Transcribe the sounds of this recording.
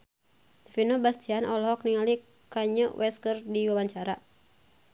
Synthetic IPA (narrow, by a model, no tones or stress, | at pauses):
finobast̪ianɔlɦɔk̚niŋali | kaɲəwʔɛskərdiwabaɲt͡ʃaɾa